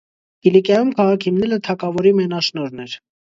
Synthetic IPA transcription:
ɡ̥ilikjɑjumkʰɑʁɑkʰhimnɛlət̪ʰɑkɑvɔɾimɛnɑʃnɔɾnɛɾ

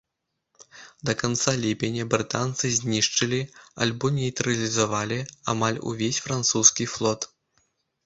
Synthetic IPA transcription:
d̪ɐkant̪salʲipʲɛnʲɐbɾɨt̪ant̪sɨzʲnʲiʂt͡ʂɨlʲia̰lʲbɔnʲɛjt̪ɾɐlʲizavalʲia̰malʲṵvʲesʲfɾant̪suskʲiflˠɔt̪

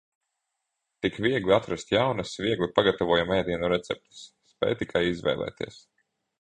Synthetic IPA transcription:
t̪ikviɛɡliat̪ɾast̪jawnasviɛɡlʲipaɡat̪avuɔjamɛjd̪iɛnuɾɛt̪sɛp̚t̪ɨ̥sːpɛ̰ːjt̪ikʰajizvɛ̰jlˠɛ̰ːt̪ḭɛs

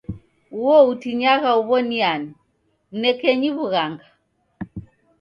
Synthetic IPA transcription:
uwɔutiɲaɣauβɔniani | nɛkɛɲiβuɣaŋɡa

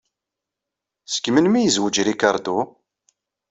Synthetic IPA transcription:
sə̥kːmənmijəzwəd͡ʒɾikaɾˤd̪u

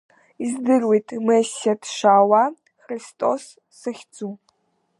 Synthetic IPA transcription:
izdɨrwijtʰʼmɨsatʰʃaːwa | xristʼo̰sː | ɐxʲt͡sʼu

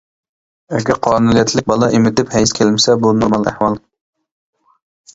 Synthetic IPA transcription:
ɛɡʲɛɾqʰɑːnulˠijɛt̪ʰlɪk̚ʲbɑlˠɑʔɪmɪt̪ɪphɛjskʲʰelmɪsɛbunuɾmɑlˠæ̰hwɑlˠ

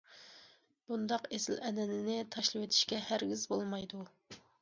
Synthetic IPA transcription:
b̥und̪ɑqesɪlʔɛnɛnɪnɪt̪ʰɑʃlˠɨwet̪ʰɪ̥ʃkʲɛhæɾɡʲizbolˠmɑjd̪u

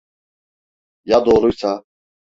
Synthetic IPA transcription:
jad̪ɔːɾujsʰa

